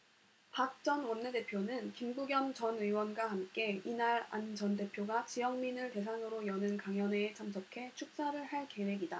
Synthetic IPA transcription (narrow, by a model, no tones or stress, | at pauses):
pak̚t͡ɕ͈ʌnwʌnːede̞pʰjonɯnkimbuɡjʌmt͡ɕʌnɯiwʌnɡwahamk͈e̞inaɾa̰nd͡ʑʌnde̞pʰjoɡat͡ɕijʌŋminɯɭte̞s̬ʰaŋɯɾojʌnɯnkaŋjʌne̞ːt͡ɕʰamsʰokʰe̞t͡ɕʰuk̚s͈aɾɯɭhaɭke̞we̞ɡida